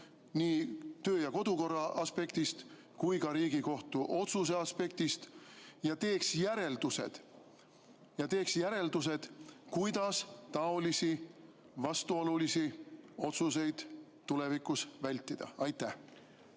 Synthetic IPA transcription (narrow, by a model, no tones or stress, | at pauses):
niːt̪ø̞ːjɑko̞d̪̥uko̞rːɑɑspe̞kt̪ist̪ | kujkɑɾiːɡ̥iko̞ht̪uʔo̞t̪suse̞ɑspe̞k̚t̪ist̪jɑt̪e̞ːksjæɾe̞ld̪̥use̞̰d̪̥ | jɑt̪e̞ːksjæɾe̞ld̪use̞d̪̥kujd̪̥ɑst̪ɑo̞lisi | vɑst̪uo̞lulisio̞t̪sus̬e̞jd̪̥ | t̪ːule̞vikːˑusvælʲt̪ːid̪̥ɑ̰ɑjt̪ːæh